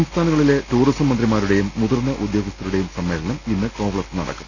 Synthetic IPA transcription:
ɐmst̪ʰaːnɐŋːɐɭile̞tuːrisɐmːɐnd̪rimaːɾuɽe̞jumːuðɐrnːɐʔud̪joːɡɐst̪ɐɾuɽe̞jumsɐmːe̞ːɭɐɳɐminːɨko̞ːpɭɐsɨnɐɽɐ̰kːum

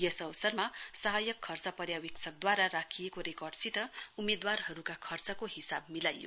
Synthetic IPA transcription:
jʌsʌwsʌrmasʌɦajʌkʰːʌrt͡sʌpʌɾjawikt͡sʰʌk̚d̪waɾarakʰijekoɾekʌrɖsit̪ʌumed̪warɦʌɾukakʰʌrt͡sʌkohisab̚milajo̰

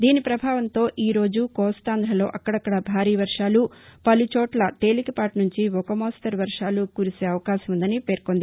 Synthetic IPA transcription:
d̪iːnipɾɐbʱaːʋɐnt̪o̞ːʔiːɾo̞ːd͡ʒukɔːst̪aːnd̪ɾɐlo̞ːʔɐkːɐɽɐkːɐɽɐbʱaːɾiːʋɐɾʂaːlupɐlut͡ʃɔːʈlɐʈe̞ːlikipaːʈnuɲt͡ʃiɔkɐmoːsʈɐɾʋɐɾʂaːlukuːɾise̞ːɐʋɐkaːʃɐmund̪ɐnipe̞ːɾkond̪i

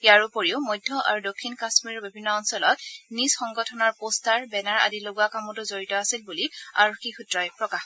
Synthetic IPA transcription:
jaɹʊpoɹiʊmɔjdʱːɔʔa̰ɹudokʰːinkasmiɹɔbibʱinːɔːnsɔlɔt̚nisxɔŋɡɔtʰɔnaɹpostaɹbɛnaɹa̰diloɡakamɔtʊzoɹitɔasilbuliaɹokːixutɹɔjpɹɔkax

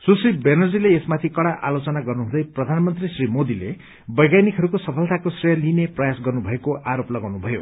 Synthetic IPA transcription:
susibenʌrd͡zileesmat̪ʰikʌɽaʔa̰lot͡sʌnaɡʌrnuɦũd̪ʌjprʌd̪ʱanmʌnt̪risrimod̪ilḛ | bʌjɡajnikɦʌɾukosʌpʰʌlt̪akosrijʌlineprʌjasɡʌrnubʱʌekoʔaɾoplʌɡawnubʱʌjo̰

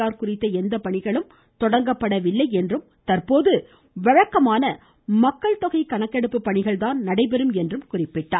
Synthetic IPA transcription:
aːɾkʊrɪt̪ːɐɛnd̪ɐpɐɳɪɣɐɭɯm | t̪ɔɽɐŋɡɐpːɐɽɐʋɪlːɐɪɛndrɯm | t̪ɐrpoːðɯ | ʋɐɻɐkːɐmaːnɐ | mɐkːɐɭt̪ɔɣɐɪkɐɳɐkːɛɽɯpːɯpːɐɳɪɣɐɭt̪aːnnɐɽɐɪpɛɾɯmɛndrɯmkʊrɪpːɪʈːa̰ː

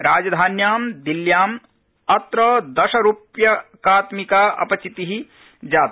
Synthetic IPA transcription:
ɾaːd͡ʒɐd̪ʱaːnjaːmd̪iljaːm | ɐt̪ɾɐd̪ɐʃɐɾupjɐkaːt̪mikaːʔɐ̰pɐt͡ʃit̪iɦi | d͡ʒaːt̪

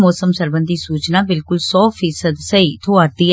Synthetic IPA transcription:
mɔːsəmsəɾbə̃nd̪isuːt͡ʃnaːbɪlkʊlsɔːfʰiːsəd̪səit̪ʰoːaɾd̪iː

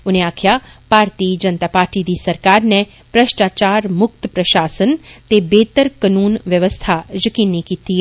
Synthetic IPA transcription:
ʊnẽaːkʰjab̥ʱaːɾt̪iːd͡ʒənt̪aːpaːɾʈid̪iːsɐɾkaːɾne | pɾəʃʈaːt͡ʃaːɾmʊk̚t̪pɾəʃaːsənt̪ebeːt̪əɾkənuːnʋjəʋəst̪ʰad͡ʒəkiːnːikiːt̪i

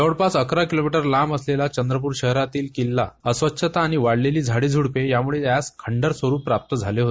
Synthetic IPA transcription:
əʋɽpat͡səkɾakilomiʈəɾlaməslelat͡ɕənd̪ɾəp̬uːɾɕəɦɾat̪iːlkilːa̰əsʋət̪ːɕʰət̪aːɽ̃iʋaɽleliːd͡zʱaɽiːd͡zʱuɽpejamuɭet̪jaskʰəɳɖəɾsʋəɾuːpːɾap̚t̪əd͡zʱaleɦot̪

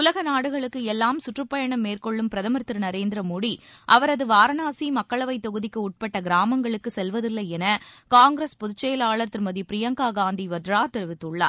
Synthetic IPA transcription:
ʊlɐɣɐnaːɽɯɣɐɭɯkːɯɛlːaːmsʊʈrɯpːɐjɐɳɐmːeːrkɔɭːɯmpɪɾɐðɐmɐɾt̪ːɪɾɯnɐɾeːnd̪ɪɾɐmuːɽiʔɐʋɐɾɐðɯʋaːɾɐnaːsimɐkːɐɭɐʋɐɪt̪ːɔɣɯðɪkːɯʊʈ̚pɐʈːɐɡɪɾaːmɐŋɡɐɭɯkːɯsɛlʋɐðɪlːɐɛnɐkaːŋɡɾɐspɔðɯt͡ʃːɐjɐlaːɭɐɾt̪ːɪɾmɐðipɪɾɪjɐŋkaːɡaːnd̪iʋɐd̪ɾaːt̪ɛɾɯʋɪt̪ːɯɭːa̰ːɾ

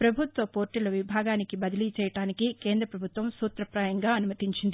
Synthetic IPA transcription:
pɾɐbʱut̪ʋɐpo̞ːɾʈilɐʋibʱaːɡaːnikibɐd̪ɐlit͡ʃɛːjɐʈaːnikikeːnd̪ɾɐpɾɐbʱut̪ʋɐmsuːt̪ɾɐpɾaːjɐŋɡaːɐnumɐt̪iɲt͡ʃind̪i

